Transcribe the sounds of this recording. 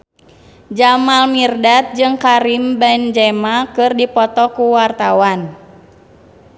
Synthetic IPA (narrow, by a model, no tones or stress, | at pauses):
d͡ʒamalmirdat̪̚d͡ʒɨŋkaɾimbɛnd͡ʒɛmakɨrdipɔt̪ɔkuwart̪awan